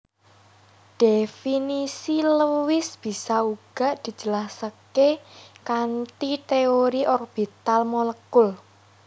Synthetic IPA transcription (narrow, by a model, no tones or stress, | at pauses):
d̪̥efinisiləwɪsb̥i̤sauɡ̥a̤ʔd̪̥i̤̥d͡ʒ̥ə̤lasakekant̪it̪eoɾiʔɔrb̥i̤t̪almoləkʊl